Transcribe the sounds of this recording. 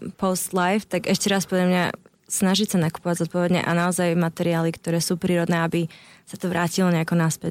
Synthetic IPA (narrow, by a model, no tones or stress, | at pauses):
pɔst̪lajft̪aɡɛʃcɛɾaspɔd̪lʎamɲa̰ | snaʒicsanaku̥pɔʋaɟzɔt̪̚pɔʋɛd̪ɲɛ̰ʔa̰naɔzajmat̪ɛɾiaːlikt̪ɔɾɛːsuːpɾiːɾɔd̪nɛːabisat̪ɔʋɾʔaːcilɔɲɛakɔnaspɛc